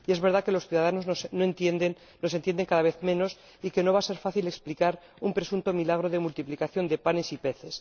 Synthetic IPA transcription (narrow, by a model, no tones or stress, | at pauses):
ie̞zβe̞ɾðake̞lo̞sθjuðað̞anoznosnoent̪jend̪enːo̞senjend̪e̞ŋkaðaβe̞θmẽ̞no̞s | ike̞no̞β̞aːse̞ɾfaθile̞ksplikaɾ | umpɾe̞sunt̪o̞milaɣ̞ɾo̞ðe̞mult̪iplikaθjo̞nd̪e̞pane̞sipe̞θe̞s